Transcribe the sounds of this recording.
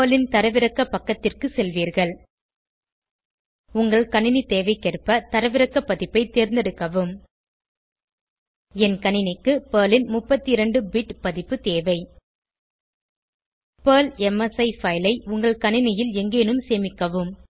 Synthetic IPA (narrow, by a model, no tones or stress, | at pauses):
pːlɪnt̪ɐɾɐʋɪɾɐkːɐpɐkːɐt̪ːɪrkɯsɛlʋiːɾɣɐɭ | ʊŋɡɐɭkɐɳɪnit̪eːʋɐɪkːɛrpːɐt̪ɐɾɐʋɪɾɐkːɐpːɐðɪpːɐɪt̪ːeːɾnd̪ɛɽɯkːɐʋɯm | ɛnkɐɳɪnɪkːɯpeːlɪnmʊpːɐt̪ːiɪɾɐɳɖɯbɪʈpɐðɪpːɯt̪eːʋɐɪ | pɐːlɛmɐsɐɪfɐɪlɐɪʊŋɡɐɭkɐɳɪnɪjɪlɛŋɡeːnɯmseːmɪkːɐʋɯm